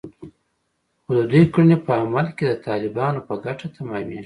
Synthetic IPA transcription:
xod̪ad̪ujkinepəamalked̪ət̪ɑːlɪbɑːnopəɡaʈat̪ʰamɑːmi

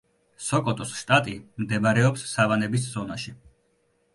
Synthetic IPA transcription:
sɔkʼɔt̪ʼɔsʃt̪ʼat̪ʼimd̪ɛbɾɛɔpsːavanɛbisz̥ɔnaʃi

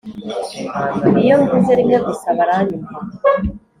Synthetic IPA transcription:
ijomɡizeɾimeɡusaβaɾanima

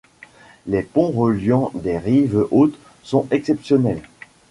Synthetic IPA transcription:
lepɔ̃ʁəljɑ̃d̪eʁivʔot̪ | sɔ̃ɛksɛpsjɔnɛl

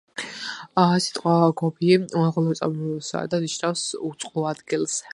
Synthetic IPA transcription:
si̥t̪ʼqʼwaɡɔbiualʁɔlˠɔt̪sʼa̰bisa̰d̪aniʃnafsut̪sʼqʼluad̪ɡilˠs

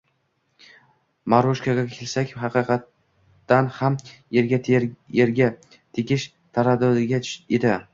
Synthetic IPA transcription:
maɾoʃkaɡʲakʲʰelsakʲhɑqɨqʰɑt̪ː | anhameɾɡʲaeɾɡʲa | t̪ʰekʲɪʃ | t̪ʰaɾad̪ɒd̪ɪɡʲaed̪ɪ

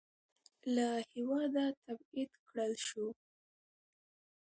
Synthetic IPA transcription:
lahɪwɑd̪at̪abid̪kɽəlʃu

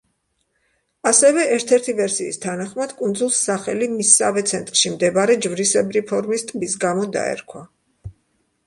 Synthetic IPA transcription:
asɛvɛɛɾt̪ʰɛɾt̪ʰivɛɾsiːst̪ʰanaχmad̪̥kʼund̪zulˠsːaχɛlimisːavɛt̪sʰɛnt̪ʼɾʃimd̪ɛbaɾɛd͡ʒvɾisɛbɾipʰɔɾmist̪ʼbisɡamɔd̪a̰ɛ̰ɾkʰwa

